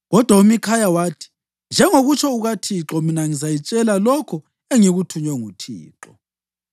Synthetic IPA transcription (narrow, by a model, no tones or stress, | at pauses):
ɣɔd̥ʱwaumikʰajawaːtʰi̥ | nd͡ʒʱɛŋoɣut͡ʃʰɔuɣatʰiǁɔminaŋizajit͡ʃʼɛlalɔkʰɔ | eŋiɣutʰuɲɛŋutʰḭːǁɔ